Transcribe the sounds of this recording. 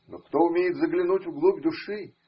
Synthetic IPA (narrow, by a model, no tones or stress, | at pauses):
nokt̪oʊmʲejɪt̪zəɡlʲɪnutʲvɡlˠubʲd̪ʊʂɨ